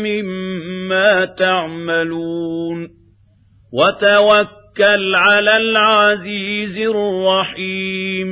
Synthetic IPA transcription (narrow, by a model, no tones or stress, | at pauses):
mɪmːaːt̪aʕmaluːn | wat̪awakːalʕalaːlʕaziːzɪrˤːɑħiːm